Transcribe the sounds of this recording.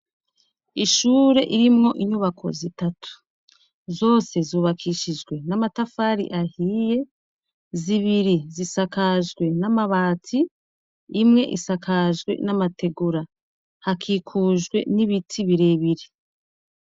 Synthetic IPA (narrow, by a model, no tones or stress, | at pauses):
iʃuːɾe̞ʔiɾimŋo̞ʔiɲuβakʰo̞̰zitatʰu̥ | zo̞ːse̞zuːβakʰiʃid͡ʒɡwe̞namatafaːɾḭʔahiːje̞ | ziβiɾizisakaʒɡwe̞namaβaːtʰiː | mŋe̞ʔḭsakʰaʒɡwe̞̰namate̞ɡuɾa | hakʰiːkʰuːʒɡwe̞̰niβitʰiβiɾeβiɾi